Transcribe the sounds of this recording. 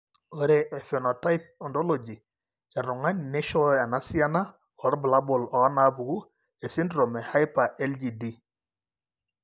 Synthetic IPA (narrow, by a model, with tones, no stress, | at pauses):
o˦ɾe˨ʔe˨fe˨nɔ˨ta˦jp̚ɔ˨ndo˦lo˨d͡ʒi˨ | a˨ɾu˨ŋa˦ɲne˦ʃɔ˦a˨na˨si˦a˦na˦ | ɔ˨ɾbla˦bo˨lɔ˨˦na˨˦bu˨ɡu˦ | e˨si˦ndɾo˨mɛ˨ha˦jpa˨ʔɛ˦ld͡ʒi˨di˦